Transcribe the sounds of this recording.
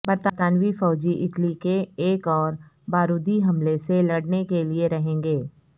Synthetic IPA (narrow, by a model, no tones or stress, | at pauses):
bɐɾt̪ət̪aːnwifɔːd͡ʒiʔɪʈlikeːkɔːɾ | baːɾuːd̪iɦɐmleselɐɽnekelieɾɐɦẽːŋɡeː